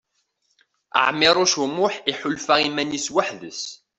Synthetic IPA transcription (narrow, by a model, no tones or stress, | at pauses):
ə̰ʕmɪɾˤʊʃumʊħiħʊlfaʁimæniswaħðəs